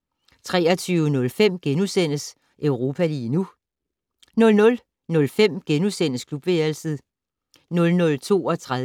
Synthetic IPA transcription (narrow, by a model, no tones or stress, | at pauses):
t͡sʰʁɛ̰ːɐt͡sʰyːʊənɔ̽lfem̰ɡ̥enusen̰əs | ʔœʊʁo̝ːpʰæliːnu | nɔ̽lnɔ̽l | nɔ̽lfem̰ɡ̥enusen̰əskʰlub̥ʋelsið̩ˠ | nɔ̽lnɔ̽lt͡sʰo̝̰ːɒ̽t͡sʰʁa